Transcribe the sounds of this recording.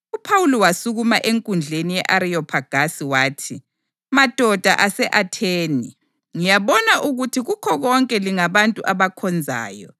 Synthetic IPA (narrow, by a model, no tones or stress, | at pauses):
upʰawulɔwasuɣumaʔeŋkʼund͡ɮʱenijɛʔaɾiɔpʰaɡ̥ʱasiwaːtʰi | mad̥ʱɔd̥ʱa̰ʔasɛʔatʰeːni | ŋijaβɔnaʔuɣutʰiɣukʰɔɣɔŋkʼɛliŋaβantʼuʔaβakʰɔnd͡zʱa̰ːjɔ